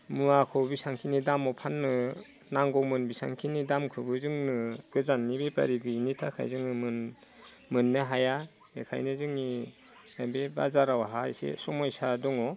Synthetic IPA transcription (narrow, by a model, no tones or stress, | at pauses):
mɯakʰɔbisaŋkʰinidamɔpʰanːɯ | naŋɡɔwmɯnbisa̰ŋkʰinidamkʰɯbɯzɯŋnɯɡɯzanːibepa̰ɾiɡɯinitʰakʰa̰jzɯŋɯmɯn | mɯnːɯɦaja | ḛkʰa̰jnɯzɯŋi | abeba̰zaɾawaɦaisḛsɔmɔjsadɔŋɔ